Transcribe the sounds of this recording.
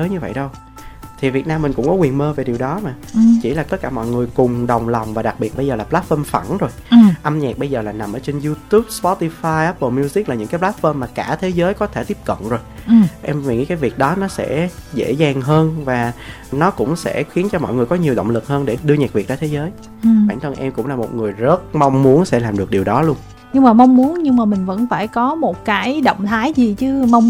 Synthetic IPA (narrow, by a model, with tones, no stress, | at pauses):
əː˨˦jɲɨ˧və̰˧˨jɗə˧w | t̪ʰi˨˩vi˨˩ət̚naː˧mːï̟˨˩kʊ̰˧˥ŋ͡mkɔ˨˦kwi˨˩ənməː˧ve˨˩ɗi˨˩wɗɔ˨˦maː˨˩t͡ɕḭ˧˩laː˨˩t̪ə˦˥t̚kːaː˧˩mɔ̰˧˨jŋɨ˨˩əjkʊ˨˩ŋ͡mɗə˨˩wŋ͡mla˨˩wŋ͡mvaː˨˩ɗa˨˩k̚ɓi˨˩ət̚ɓə˧jzəː˨˩laː˨˩plaː˦˥t̚fəː˧mfa˧˩nzo˨˩jʔa˧mɲa˨˩k̚ɓə˧jzəː˨˩laː˨˩na˨˩mʔəː˧˩t͡ɕe˧nzu˧t̪u˦˥p̚spɔ˦˥t̪i˧faː˧jʔa˦˥pəː˧˩mi˧wzi˦˥k̚laː˨˩ɨ̰˧ŋkaː˨˦jplaː˦˥t̚fəː˧mːaː˨˩kaː˧˩t̪ʰe˨˦zəː˨˦jkɔ˨˦t̪ʰe˧˩t̪i˦˥p̚kə̰˧˨nzo˨˩jʔɛ˧mva˨˩ŋḭ˧˥kaː˨˦jvi˨˩ək̚ɗɔ˨˦nɔ˨˦sɛ̰˧˥zḛ˧˥zaː˨˩ŋɦəː˧nvaː˨˩ | nɔ˨˦kʊ̰˧˥ŋ͡msɛ̰˧˥xi˨˦ənt͡ɕɔ˧mɔ̰˧˨jŋ˨˩kɔ˨˦ɲi˨˩əwɗə̰˧˨ŋ͡mlɨ˨˩k̚həː˧nɗe˧˩ɗɨ˧əɲɛː˨˩k̚vi˨˩k̚ɗa˧˦t̪ʰe˨˦zəː˨˦j | ɓaː˧˩ŋt̪ʰə˧nʔɛ˧mkʊ̰˧˥ŋ͡mlaː˨˩mo˨˩t̚ŋɨ˨˩əjzə˦˥t̚ma˧wŋ͡mmu˨˦ənsɛ̰˧˥laː˨˩mɗɨ˨˩ək̚ɗi˨˩wɗɔ˨˦lu˧ən | ɲɨ˧ŋmaː˨˩ma˧ŋ͡mmu˨˦ənɲɨ˧ŋmaː˨˩mï˨˩ŋ̟və̰˧˥nfaː˧˩jkɔ˨˦mo˨˩t̚kaː˨˦jɗo̰˧˨wŋ͡mt̪ʰaː˨˦jzi˨˩t͡ɕɨ˧ma˧wŋ͡m